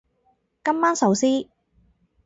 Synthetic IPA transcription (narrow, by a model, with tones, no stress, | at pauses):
kɐ˥mːaː˥nsɐ˨˧wsiː˥